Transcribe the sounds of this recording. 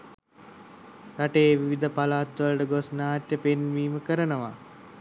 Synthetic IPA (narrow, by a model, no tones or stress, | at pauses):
t̪aʈeːʋiʋid̪əpalaːt̪ʋələʈəɡosnaːʈːəpenʋiːməkəɾənəʋa